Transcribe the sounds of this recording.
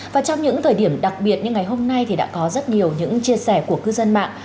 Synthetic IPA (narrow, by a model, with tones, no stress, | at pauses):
vaː˨˩t͡ɕɔ˧wŋ͡mɲɨ̰˧˥ŋt̪ʰəː˨˩jɗi˧˩əmɗa˨˩k̚ɓi˨˩ət̚ɲɨ˧ŋːa˨˩jɦo˧mna˧jt̪ʰi˨˩ɗa̰ː˧˥kɔ˨˦zə˦˥t̚ɲi˨˩əwɲɨ̰˧˥ŋt͡ɕi˧əsɛ˧˩ku˧˩əkɨ˧zə˧nma̰ː˧˨ŋ